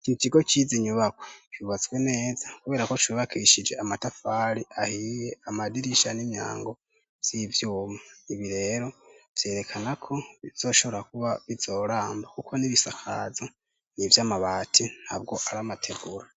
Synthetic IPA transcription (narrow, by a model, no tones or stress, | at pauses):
kimitiɡo̞t͡ʃiziɲuβakwet͡ʃiβazɡwe̞ne̞ːzḁkuβe̞ːɾako̞twiβakʰiːʃid͡ʒe̞amatafaːɾiʔahijeamadiɾiʃanimja̰ːŋɡo̞ | v̥z̥ivjuːmaiβiɾe̞ːɾo̞v̥je̞ːɾe̞kʰanakʰo̞βiz̥o̞ːʃo̞βo̞ɾakuβaβiz̥o̞ːɾaːmbakukʰo̞niβisakʰazo | nivjaːmaβaːtʰin̥hab̚ɡo̞ʔaɾamatʰe̞ɡuɾa